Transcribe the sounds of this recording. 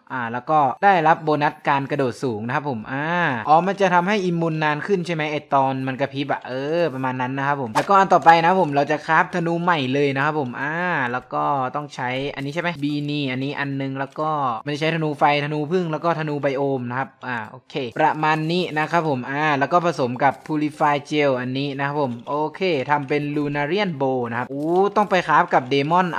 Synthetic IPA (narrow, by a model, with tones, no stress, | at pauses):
ʔʔaː˧˩lɛː˦˥wkɔː˥˩daː˥˩jɾa˦˥p̚boː˧na˦˥t̪̚kaː˧nkɾa˧doː˨˩t̪̚suː˩˦ŋna˦kʰa˦˥pʰːo˨˩˦mʔaː˧ʔɔː˨˦ma˧nt͡ɕa˨˩t̪ʰa˧mɦa˥˩jʔi˧mːuː˧nːaː˧˥nkʰɯ˥˩nt͡ɕʰa˥˩jma˦˥jʔa˧˩t̪ɔː˧nma˧nka˧˩pʰi˦˥bɛː˨˩p̚ʔɤː˧pɾa˧maː˧nːa˦˥nːa˦˥kʰa˦˥pʰːo˩˦mt̪ɛː˧˩wkɔː˥˩ʔa˧nt̪ɔː˨˩pa˧jna˦a˥pʰːo˩˦mɾa˧wt͡ɕa˨˩kʰaː˦˥˩p̚t̪ʰa˧nuː˧˥ma˨˩jlɤː˧jna˦˥kʰa˦˥pʰːo˨˩˦mʔaː˧˩lɛː˦˥wkɔː˥˩t̪ɔ˥˩ŋt͡ɕʰa˦˥jʔa˧nːi˦t͡ɕʰa˥˩ma˦˥biː˧niː˧˩ʔa˧nːiː˦˥ʔa˧nːɯ˧ŋlɛː˦˥wkɔː˥˩ma˧nt͡ɕa˨˩t͡ɕa˦˥jt̪ʰa˧nuː˧fa˧jt̪ʰa˧nuː˧pʰɯ˥˩ŋlɛ˦˥wkɔː˥˩t̪ʰa˧nuː˧ba˧jʔoː˧mna˦˥kʰa˦˥p̚ʔaː˧˩ʔoː˧kʰeː˧˩pɾa˧maː˧nːiː˦˥˩na˦˥kʰa˦˥pʰːo˨˩˦mʔaː˧˩lɛː˦˥wkɔː˥˩pʰa˧so˩˦mka˨˩pʰːuː˧li˧faː˧jt͡ɕe˧wʔa˧nːiː˦˥na˦˥kʰa˦˥pʰːo˩˦mʔoː˧kʰeː˧˩t̪ʰa˧mpe˧nluː˧naː˧ɾi˥˩ənboː˧na˦˥kʰa˦p̚ʔuː˧˥t̪ɔ˥˩ŋpa˧jkʰaː˦˥p̚ka˨˩p̚deː˧mɔ˥˩n